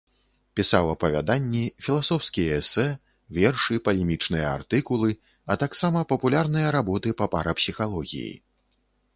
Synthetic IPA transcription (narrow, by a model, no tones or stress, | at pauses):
pʲisawɐpɐvʲa̰d̪anʲːifʲilˠasɔwskʲijɐɛsɛ | vʲɛrʂɨpɐlʲɛmʲit͡ʂnɨjɐa̰rt̪ɨkulˠɨ | ɐt̪aksamɐpɐpulʲarnɨjɐɾabɔt̪ɨpɐpa̰ɾɐpsʲixalˠɔɣʲḭjḭ